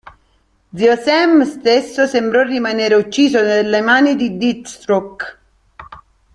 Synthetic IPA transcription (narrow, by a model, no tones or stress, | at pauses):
d̪ziɔsɛmst̪esːosembɾɔrimaneːɾeut͡ʃːiːzonelːemaːnid̪id̪it̪st̪ɾɔk